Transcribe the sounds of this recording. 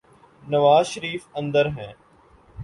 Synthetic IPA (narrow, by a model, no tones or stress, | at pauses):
nɐʋaːzʃəɾiːfə̃nd̪əɾɦɛ̃ː